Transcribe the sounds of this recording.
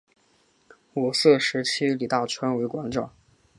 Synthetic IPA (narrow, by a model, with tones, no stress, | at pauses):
wɔ˨˩sɤ˥˩ʂɻ̩˧˥t͡ɕʰi˥li˨˩t̪ɑ˥˩t͡ɕʰwa˥nwe˧˥ɪkwɑ˧˥ŋʈ͡ʂɑ˨˩˦ŋ